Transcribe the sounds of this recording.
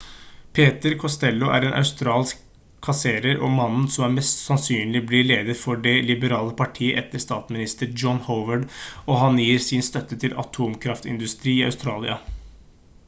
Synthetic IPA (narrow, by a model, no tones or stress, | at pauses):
pʰeːt̪əɾkʰɔst̪ɛlːʊʔæ̰ɾeːnʔɑ̰ʉst̪ɾɑːlskʰː | ɑseːɾəɾɔ̰mɑnn̩sɔmæɾmɛst̪sɑnsyːnlɪblɪleːd̪əɾfɔɖɛlɪbəɾɑːləpʰɑʈʰiːəʔɛt̪ːəst̪ɑːt̪smɪnɪst̪əɾd͡ʒɔnhoʊʋəɖɔɦɑnjiːɾsɪnst̪œt̪ːət̪ʰɪlʔɑ̰t̪ʰuːmkʰɾɑft̪ɪ̰nd̪ʉst̪ɾiːiːɑ̰ʉst̪ɾɑːlɪ̰ɑ